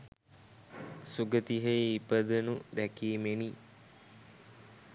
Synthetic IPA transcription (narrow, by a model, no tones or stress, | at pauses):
suɡət̪iɦejipəd̪ənud̪ækiːmeni